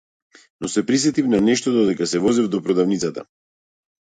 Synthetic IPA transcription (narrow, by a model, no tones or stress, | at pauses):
nɔsɛpɾisɛt̪ifnanɛʃt̪ɔd̪ɔd̪ɛkasɛvɔzɛvd̪ɔpɾɔd̪avnit̪sat̪a̰